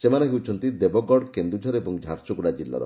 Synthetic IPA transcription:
semaneɦewt͡ʃʰɔnt̪id̪ebɔɡɔɽkend̪ɾud͡ʒʱɔɾebɔŋd͡ʒʱaɾt͡ʃɔɡuɽad͡ʒilːa̰ɾɔ̰

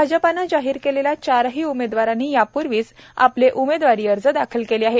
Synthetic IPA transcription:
ad͡ʑəpanːad͡ʑaɦiːɾkelelat͡ɕaɾɦiːumed̪ʋaɾanːiːjapuɾʋiːsa̰pleʔumed̪ʋaɾiːəɾd͡zəd̪akʰəlkeliaɦe

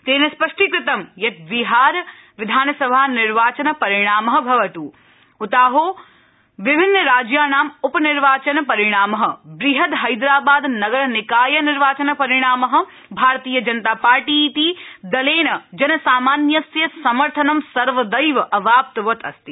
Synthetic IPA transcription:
t̪eːnɐspɐʂʈikɾɪt̪ɐmjɐt̪̚biɦaːɾ | ʋɪd̪ʱaːnɐsɐbʱaːnɪɾʋaːt͡ʃɐnɐpɐɾɪɽ̃aːmɐɦɐ̆bʱɐʋɐt̪uː | ut̪aːɦoː | ʋɪbʱɪnːəɾaːd͡ʒjaːnaːmʊpɐniɾʋaːt͡ʃɐnɐpɐɾɪɽ̃aːmɐɦɐ̆bɾiɦɐt̪ɦɐjd̪ɾaːbaːd̪nɐɡɐɾnɪkaːjɐnɪɾʋaːt͡ʃɐnɐpɐɾɪɽ̃aːmɐɦɐ̆ | bʱaːɾt̪iːjɐd͡ʒɐnət̪aːpaːɾʈiːt̪id̪ɐleːnɐd͡ʒɐnɐsaːmaːnjɐsjɐsɐmɐɾt̪ʰɐnɐmsɐɾʋɐd̪ɐjʋɐʔɐʋʱaːp̚t̪ʋɐt̪ɐst̪i

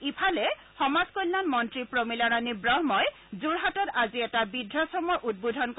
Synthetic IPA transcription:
ipʰalɛ | xɔmazkojlːanmɔntɹipɹomilaɹanibɹɔɦmɔj | zuɹɦatɔtaziɛtabidʱɹasɔmɔɹʔud̚bodʱɔnk

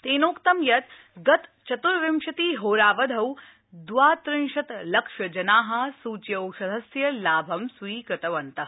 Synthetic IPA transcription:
t̪eːnoːkt̪ɐmjɐt̪ | ɡɐt̪t͡ʃɐt̪uɾʋɪmʃɐt̪iːɦoːɾaːʋɐd̪ʱɐw | d̪ʋaːt̪ɾɪnʃɐt̪lɐkʃɐd͡ʒɐnaːɦɐ̆suːt͡ʃjɐwʃɐd̪ʱɐsjɐlaːbʱɐmsʋiːkɐt̪ɐʋɐnt̪ɐ

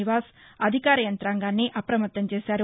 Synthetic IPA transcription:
iʋaːsɐd̪ʱikaːɾɐjɐnt̪ɾaːŋɡaːnːiʔɐpɾɐmɐt̪ːɐmt͡ʃe̞ːsaːɾu

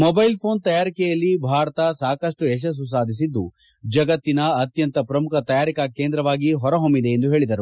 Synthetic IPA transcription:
mɔbɐjlpʰo̞ːnt̪ɐjaːɾikɛjɐlːibʱaːɾɐt̪ɐsaːkɐʂʈuɛʃ̬ɐs̬ːus̬aːd̪ʱis̬id̪ːu | d͡ʒɐɡɐt̪ːinɐːt̪jɐnt̪ɐpɾɐmukʰɐt̪ɐjaːɾikɐke̞ːnd̪ɾɐʋaːɡiɦɔɾɐɦomːid̪e̞ːnd̪uɦeːɭid̪ɐɾu

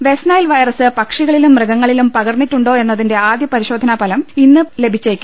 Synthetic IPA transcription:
ʋe̞snɐjlʋɐjrɐsɨpɐkʂiɣɐɭilumːrɨɡɐŋːɐɭilumpɐɣɐrnːitːuɳɖo̞ːe̞nːɐðinde̞aːd̪jɐpɐɾiɕo̞ːd̪ʱɐnaːpɐlɐminːɨle̞bʱit͡ɕːeːkʲːu̥

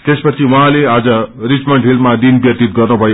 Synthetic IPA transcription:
t̪espʌt͡sʰiwʌɦãlead͡zʌrit͡smʌɳʈɦilmmad̪inbjʌt̪it̪̚ɡʌrnubʱʌjo

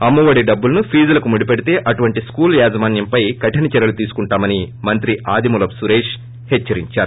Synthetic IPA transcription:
ɐmːɐʋɐɽiɖɐbːulɐnupʰiːd͡ʒɐlɐkumuɽipeɽit̪e̞ːʔɐʈuʋɐɳʈiskuːljaːzɐmaːnjɐmpɐjkɐʈɐnit͡ʃɛɾɐlut̪iːsu̥kuɳʈaːmɐni | mɐnt̪ɾiʔaːd̪imulɐpsuɾeːʂ | hɛt͡ʃːɐɾiɲt͡ʃaːɾu

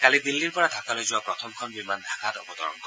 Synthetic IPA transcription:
kalid̪ilːiɾpɔɾad̪ʱakalojd͡ʑuapɾɔt̪ʰɔmkʰɔnbimand̪ʱakat̪ɔpɔd̪ɔ̰ɾɔ̰nkɔ

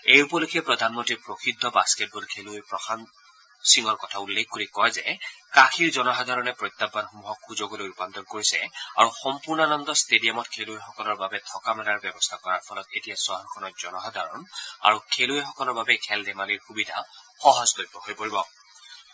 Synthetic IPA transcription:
ejupɔlokʰiɛpɹɔd̪ʱanmɔntipɹoxʰidʱːɔbasket̚bɔlkʰeluepɹɔxʰan | siŋɔɹkɔtʰaulːek̚ʰkoɹikɔjzɛkakʰiɹzɔnɔxad̪ʱaɹɔnɛpɹɔjt̪ːabːanxumuɦɔkʰxuzoɡɔlojupant̪ɔnkoɹisɛa̰ɹuxɔmpuɹnɔanɔndɔstedijamɔtkʰeluexɔkɔlɔɹbabɛtʰɔkamɛlaɹbjɔbɔstʰakɔɹaɹpʰɔlɔtetijasaɦɔɾkʰɔnɔtz̥ɔnɔxad̪ʱaɹɔna̰ɹukʰeluexɔkɔlɔɹbabɛkʰɛldɛmaliɹxubidʱa̰xɔɦɔzdojpɔɦojpoɹibɔ

